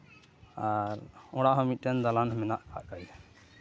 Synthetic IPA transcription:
aɾoɽaɦɔmiʈend̪alanminaʔkaʔkaj

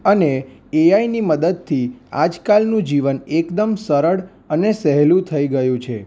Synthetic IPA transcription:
əne | eainiməd̪əd̪̚t̪ʰia̰d͡ʒkalnũd͡ʒiʋənekd̪əmsəɾəɽ | ənesɛɦlũt̪ʰəiɡəjũt͡ʃʰe

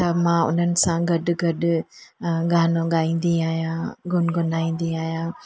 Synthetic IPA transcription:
t̪əmãʊ̰nənsãɡəɗɡəɗ | ɡaːnoɡaːĩnd̪iaːjãɡʊnɡʊnaːĩnd̪iaːjã

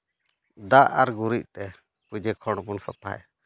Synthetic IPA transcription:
d̪aʔa̰ɾɡuɾiʔ̚t̪ɛ | pud͡ʒɛkʰɔɽ̃bunfapa̰ɛ̰

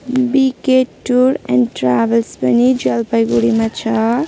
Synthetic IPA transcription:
bikeʈːuɾɛ̰̃nɖʈɾabelspʌnid͡ʒʌlpajɡuɽimat͡ʃʰʌ

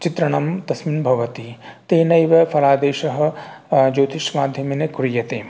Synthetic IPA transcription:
t͡ʃit̪ɾɐɳɐmt̪ɐsminbʱɐʋɐt̪it̪eːnɐjʋɐpʰɐɾaːd̪eːʃɐɦɐ̆d͡ʒoːt̪ʰiʃmaːd̪ʱjɐminɐkɾijɐt̪eː

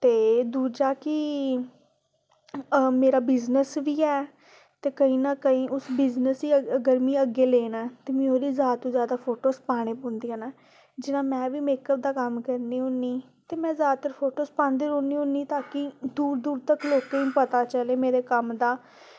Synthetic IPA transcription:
t̪eːd̪uːd͡ʒaːkɪ | meːɾaːbɪznəsʋiːɛː | t̪eːkəĩːnaːkəĩːʔʊsbɪznəsiːəɡəɾmĩːəɡeːleːnaːt̪eːmĩːoːɾiːzjaːd̪t̪õːzjaːd̪aːpʰoːʈoːspaːɽ̃eːpõːnd̪iːaːnaː | d͡ʒɪnãːmɛ̃ːʋiːmeːkəp̚d̪aːkəmkəɾniːɦõniː | t̪eːmɛ̃ːzjaːd̪t̪əɾfʰoːʈoːspãːnd̪eːɾõːniːɦõniːt̪aːkɪd̪uːɾd̪uːɾt̪əkloːkeːĩːpət̪aːt͡ʃəleːmeːɾeːkəmd̪aː

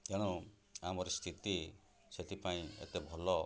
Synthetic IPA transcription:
keɽ̃u | amɔɾɔst̪ʰit̪i | set̪ʰipaĩḛt̪ebʱɔlɔ

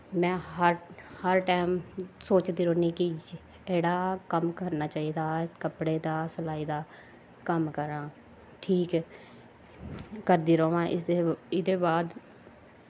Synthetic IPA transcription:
mɛ̃ːɦəɾhəɾʈaːmsoːt͡ʃd̪iːɾoːniːki | eːɽaːkəmkəɾnaːt͡ʃaːiːd̪aːkəpɽeːd̪aːsəlaːiːd̪aː | kəmkəɾãː | ʈʰiːk | əɾd̪iːɾoːʋãːʔɪeɪd̪eːbaːd̪

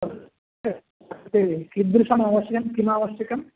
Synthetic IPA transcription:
t̪ekid̪ɾuʂɐmaːʋɐʃjɐkɐmkimaːʋɐʃjɐkɐm

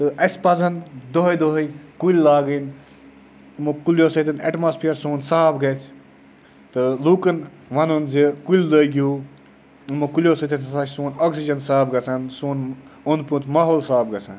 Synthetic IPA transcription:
t̪ɨʔɐsʲpɐzɐnd̪oɦɐjd̪oɦɐjkuilʲlaːɡin | mokuljoːsɐt̪ʰinḛʈmaːspʰijɐɾsoːnsaːbɡɐt͡sʰ | t̪ɨluːkɐn | ʋɐnonzikuld̪ojɡjuː | mukulʲjoːsɐt̪ʰinsɐsat͡ʃʰsoːnoːksid͡ʒɐnsaːbɡɐt͡sʰansoːnond̪put̪ʰmaːɦoːlsaːb̚ɡɐt͡sʰa̰n

